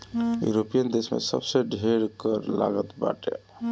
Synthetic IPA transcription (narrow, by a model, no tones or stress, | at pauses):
jṵɾopijənd̪esmḛsə̰bseɖʱeɾkəɾla̰ɡət̪ba̰ʈḛ